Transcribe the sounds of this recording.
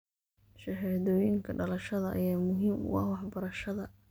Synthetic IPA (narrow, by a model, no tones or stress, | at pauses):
ʃɐɛðɔːjɪŋkʰɐɖɐlɐʃɐðɐʔːjaːmʊɦiːmʊ̰ɑ̰hwɑħbɐɾɐʃɐðɐ